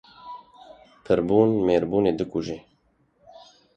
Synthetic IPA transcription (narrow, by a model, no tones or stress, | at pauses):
pʰɨɾbuːnmeːɾbuːneːd̪ɨkuʒeː